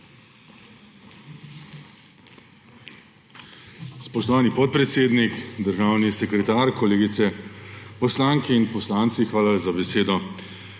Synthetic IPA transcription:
spɔʃt̪ɔʋaːnipɔt̪̚pɾɛt̪seːd̪nikd̪əɾʒaːwnisɛkɾɛt̪aːɾkɔleːɡit̪sɛpɔslaːŋkɛinpɔslaːnt̪sixʋaːlazabɛseːd̪ɔ

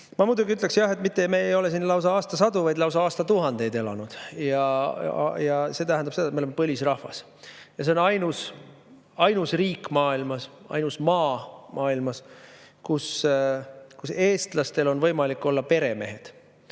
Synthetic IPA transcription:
mɑmud̪uɡiyt̪le̞ksjɑɦe̞t̪mit̪ːemeejo̞le̞siːnlɑwsɑɑːst̪ɑsɑd̪uvɑjd̪lɑws̬ɑɑːst̪ɑt̪uɦɑnd̪̥e̞jd̪e̞lɑ̰nud̪̥jɑ | jɑse̞ːt̪æɦænd̪ɑp̚seɑet̪meolemepɤlʲisrɑhvɑ̰s | jɑs̬e̞o̞nɑjnus | ɑjnusriːkːˑmɑːilmɑs | ɑ̰jnusmɑːmɑːilmɑskus | kuse̞ːst̪lɑst̪e̞lo̞nvɤjmɑlikːˑo̞lːɑpe̞ɾe̞me̞̰ɦe̞d̪̥

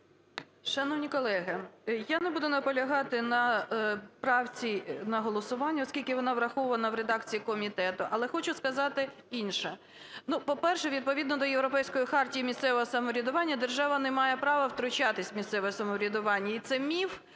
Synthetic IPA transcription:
ʃɐnɔwnʲikɔlˠɛɦɪjanɛbud̪ʊnɐpɔlʲɐɦɑt̪ɪnɐ | pɾɑwt͡sʲinɐɦɔlˠɔsʊʋɑnʲːɐɔskʲilʲkɪʋɔnɑʋɾɐxɔʊʋɐnɐʋɾed̪ɑkt͡sʲijikɔmʲit̪ɛt̪ʊʔɐlˠɛxɔt͡ʃʊskɐzɑt̪ɪ | inʃɛ | nupɔpɛrʃɛʋʲid̪̚pɔʋʲid̪nɔd̪ɔjewɾɔpɛjsʲkɔjixɑrtʲijimʲist̪sɛʋɔɦɔsɐmɔɾʲid̪ʊʋɑnʲːɐd̪erʒɑʋɐnɛmɑjɛpɾɑʋɐwt̪ɾʊt͡ʃat̪ɪsʲmʲist̪sɛʋɔɛsɐmɔɾʲid̪ʊʋɑnʲːɐit̪sɛmʲiw

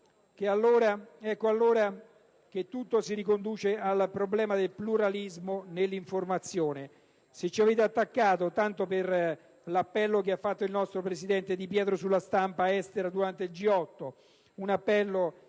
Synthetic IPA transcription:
k̟ealːoːɾaɛkːoalːoːɾa | k̟et̪ːut̪ːosiɾikond̪uːt͡ʃealpɾoblɛːmad̪elpluɾalizmonelːiɱformat̪sːjoːne | set͡ʃːiaveːt̪eat̪ːakːaːt̪ot̪ant̪oper | lapːɛlːokeafːat̪ːoilnɔst̪ɾopɾesid̪ɛnt̪ed̪ipjɛːt̪ɾosulːast̪ampaɛst̪eɾad̪uɾant̪eild͡ʒiɔt̪ːo | unapːɛlːo

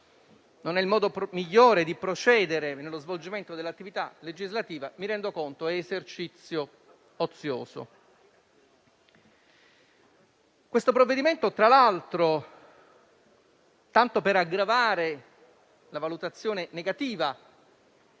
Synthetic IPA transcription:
nonɛilmɔːd̪opmiʎːoːɾed̪ipɾot͡ʃɛːd̪eɾenelːozvold͡ʒiment̪od̪elːat̪ːivit̪aled͡ʒizlat̪iːvamiɾɛnd̪okont̪oɛːzert͡ʃit̪sːjo | ot̪sːjo̰ːzo̰ | kwest̪opɾovːed̪iment̪ot̪ɾalalt̪ɾo | t̪ant̪opeɾaɡɾavaːɾe | lavalut̪at̪sːjoːneneɡat̪iːva

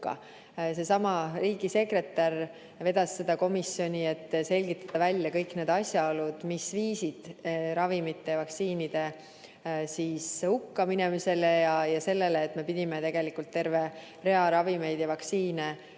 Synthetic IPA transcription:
ɑ̰ | se̞sɑmɑɾiːɡise̞kre̞t̪ːˑɑr | ve̞d̪ɑsːed̪ɑko̞misjo̞nʲie̞t̪ːse̞lʲɡ̥it̪ːˑɑ̥d̪̥ɑvælʲːjɑkɤjkne̞ːd̪̥ɑsʲjɑolud̪̥misviːsid̪̥ɾɑvimit̪ːe̞vɑksiːnid̪̥e̞ | siːshukːɑminemise̞lejɑjɑse̞lːe̞leːt̪ːˑme̞pid̪̥ʲimet̪e̞ɡ̥e̞likːult̪ːe̞ɾve̞ | re̞ɑɾɑvime̞jd̪̥jɑvɑksiːne̞

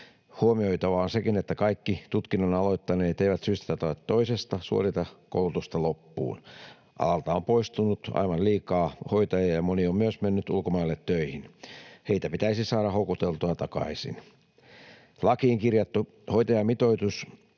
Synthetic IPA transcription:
huomioit̪ɑʋɑːnsekinet̪ːækɑikːit̪ut̪kinonɑloit̪ːɑneːt̪eiʋæt̪syst̪æ̥t̪æt̪oet̪toisest̪ɑsṵo̰rit̪ɑko̰ulut̪ust̪ɑlopːṵːn | ʔɑ̰lɑlt̪ɑompoist̪unut̪ɑ̰iʋɑlliːkɑːhoit̪ɑjɑjɑmoniommyøsmenːyt̪ṵlkomɑilːet̪tøihinheit̪æpit̪æisisɑːɾɑhokut̪elt̪uɑt̪ɑkɑ̰isḭn | lɑkiːŋkirjɑt̪ːu | hoit̪ɑjɑmit̪oit̪us

